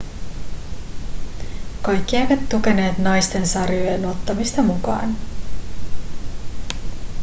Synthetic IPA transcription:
kɑjkːiejʋɑt̪ːuke̞ne̞ːt̪nɑjst̪e̞nsɑrjojeno̞t̪ːɑmist̪ɑmukɑ̰ːn

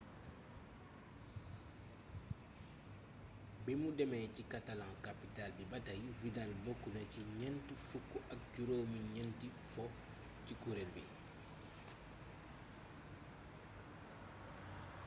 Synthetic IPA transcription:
bɛmudɛmɛjcikatalãŋkapitalbibatajvidalbokːunɐciɲɛntifukːuʔɐk̚ɟuɾowmiɲɛnti | fɔ | cikuɾelbḭ

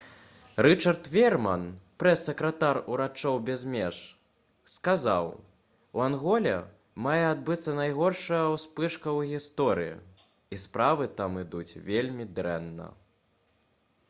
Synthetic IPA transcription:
ɾɨt͡ʂɐrt̪vʲɛrmɐnpɾɛsʲːɐkɾɐt̪aruɾat͡ʂɔwbʲɛzmʲɛʂ | skaza̰w | wanɣɔlʲɐ̰ | majɛad̪̚bɨt̪sːɐnajɣɔrʂɐjɐwspɨʂkɐwɣʲist̪ɔɾɨjḭ | ispɾavɨt̪amɨd̪ut͡sʲvʲelʲmʲid̪ɾɛ̰nːɐ̰

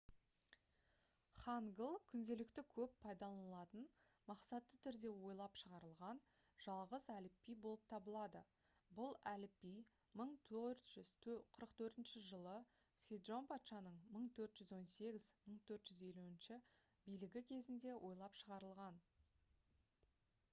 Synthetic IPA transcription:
χɑŋɡəlˠkʲʰʏnd̪e̞lɪkt̪ɪkʲʰɵpːʰɑjd̪ɑlˠɑnlˠɑt̪ən | mɑqsɑt̪ːət̪ʰʏɾd̪e̞wo̞jlˠɑpʃəʁɑɾəlˠʁɑn | ʒ̥ɑlˠʁəzælɪpːijbo̞lˠəp̚t̪ʰɑbəlˠɑd̪ə̰ | bʊlˠælɪpːij | məɴt̪ʰɵɾt̪ʒ̥ʏz̥qʰəɾəqt̪ʰɵɾt̪ɪnʃɪʒəlˠə | sʲed̪ʒo̞npʰɑt̪ʃɑnəɴməɴt̪ʰɵɾt̪ʒ̥ʏzwo̞nse̞ɡʲɪzməɴt̪ʰɵɾt̪ʒ̥ʏze̞luɪnʃɪ | bijlɪɡʲɪkʲʰe̞zɪnd̪e̞wʔo̞jlˠɑpʃəʁɑɾəlˠʁɑn

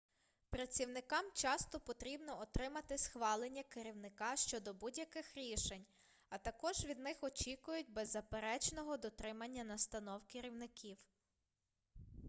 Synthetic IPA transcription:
pɾɐtt͡sʲːiwnɪkɑmt͡ʃɑst̪ɔpɔt̪ɾʲibnɔɔt̪ɾɪmɐt̪ɪsxʋɑlˠenʲːɐkɪɾʲiwnɪkɑʃt͡ʃɔd̪ɔbudʲjɐkɪxɾʲiʃenʲ | ɐt̪ɐkɔʒʋʲid̪nɪxɔt͡ʃikʊjʊt̚ʲbɛzːɐpeɾɛt͡ʃnɔɦɔd̪ɔt̪ɾɪmɐnʲːɐnɐst̪ɐnɔwkɪɾʲiwnɪkʰʲiw

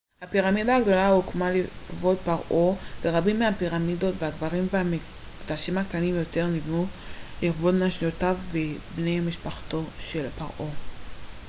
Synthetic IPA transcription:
hapiʁamid̪aːɡdo̞laukmaliχvo̞d̚paʁʔo̞veʁabimːeapiʁamido̞tveaɡvaʁimveami | ɡd̪aʃimhaktanimjo̞te̞ʁnivnuliχvodnaʃniotavːebnejamiʃpaχto̞ʃe̞lpaʁʔo̞

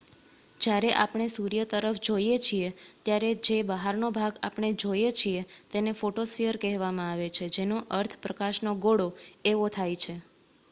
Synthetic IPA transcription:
d͡ʒjaɾeʔapɳ̃esuɾjət̪əɾəfd͡ʒojet͡ʃʰiet̪jaɾed͡ʒebəɦaɾnobʱaɡa̰pɳ̃ed͡ʒojet͡ʃʰiet̪enefoʈosfijəɾkɛɦʋamãaʋet͡ʃʰed͡ʒenoʔəɾt̪ʰpɾəkaʃnoɡoɽoeʋot̪ʰajt͡ʃʰe

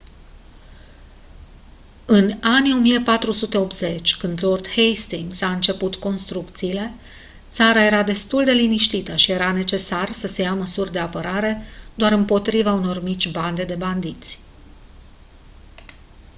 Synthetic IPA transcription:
ɨnanʲjo̞mijepat̪ɾusut̪e̞o̞p̪ze̞t͡ʃʲkɨnd̪lo̞rd̪hejst̪iŋɡsaɨnt͡ʃe̞put̪ko̞nst̪ɾukt̪siːle̞ | t̪saɾaje̞ɾad̪e̞st̪uld̪e̞liniʃt̪it̪əʃije̞ɾane̞t͡ʃe̞sarsəse̞jaməsurʲd̪e̞apəɾaɾe̞d̪̥oaɾɨmpo̞t̪ɾivauno̞rmit͡ʃʲband̪e̞d̪e̞band̪it̪sʲ

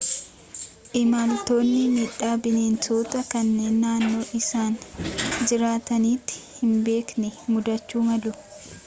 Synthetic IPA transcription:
ʔɪmant̪o̞ːnːɪmiːᶑaːbɪneːnsoːt̪ɐkɐnːe̞ːnːaːnːo̞ːʔɪsaːnd͡ʒɪɾaːt̪ɐniːt̪ːɪ̥hɪmbe̞ːknɛmʊd̪ɐt͡ʃːuːmɐlʊ

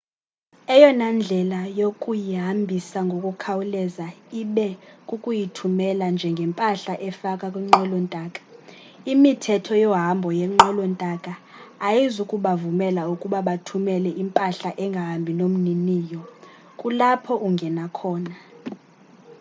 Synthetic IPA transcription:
ɛjɔnand͡ɮʱɛlajokʼujiɦambʱisaŋɡʱokʼukʰawulɛzaiɓɛkʼukʼujitʰumɛland͡ʒʱɛŋɡʱɛmpʼaɬaʔɛfakʼakʼwiŋ͡ǁɛlɔntʼaːkʼḁ | imitʰɛtʰɔjɔɦambʱɔjɛŋ͡ǃɔlɔntʼakʼaːjizukʼuɓavumɛlaukʼuɓaɓatʰumɛlɛʔimpʼaɬaʔɛŋɡʱaɦmbʱinom̩niniːjɔ | kʼulapʰɔʔuŋɡʱɛnakʰɔːna

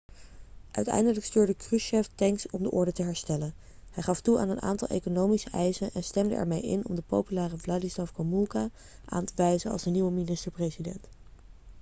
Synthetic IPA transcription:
ʔœ̰ɥtɛ̰jndələkstyːɹdəkryʃɛftɛŋksɔmdəʔʊɹdətəɦɛɹstɛlən | hɛjχɑftua̰ːnəna̰ːntɑlˠʔḛjkonowmisəʔɛjzənɛnstɛmdə̰ʔɛ̰ɹmejɪ̰nɔ̰mdəpo̰wpylaːrəvladislafkomulˠka | ʔa̰ːntəʋɛjzəɑ̰lˠzdəniʋəminɪstəɹprejzidɛ̰nt

